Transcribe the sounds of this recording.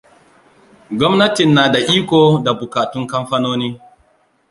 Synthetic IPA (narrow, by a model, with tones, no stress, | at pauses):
ɡʷɔ˦mnɐ˦tɪ˨nːaː˨da˨ʔiː˦kʷoː˨da˨bʊ˨kaː˨tʊ˦ŋkɐ˦mɸɐ˦noː˦niː˦